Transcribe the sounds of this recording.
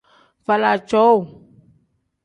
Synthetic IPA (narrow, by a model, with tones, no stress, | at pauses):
va˨la˨t͡ʃɔ˦u˨